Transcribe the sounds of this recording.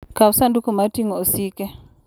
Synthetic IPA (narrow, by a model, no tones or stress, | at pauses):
kawsandukumatiŋɔsikɛ